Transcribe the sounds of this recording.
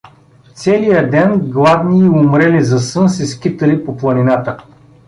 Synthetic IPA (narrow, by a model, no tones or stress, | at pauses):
t̪sɛlijəd̪ɛnɡlˠavniːʊmɾɛlizɐsɤnsɛskʲit̪əlipoplˠɐninat̪ə